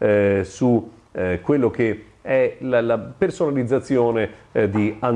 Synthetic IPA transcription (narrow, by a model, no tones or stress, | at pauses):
sukwelːok̟e | ɛlalapersonalid̪zːat̪sːjoːned̪ian